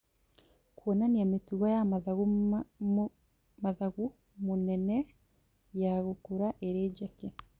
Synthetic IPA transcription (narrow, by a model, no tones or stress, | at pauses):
kwɔnaniametuɣɔjaɣ | maðaɣu | monɛnɛ | jaɣokuɾaʔeɾeːɟɛke